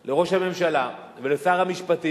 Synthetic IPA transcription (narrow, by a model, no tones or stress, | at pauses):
le̞ʁo̞ʃhame̞mʃala | velesaːʁhamiʃpat̪i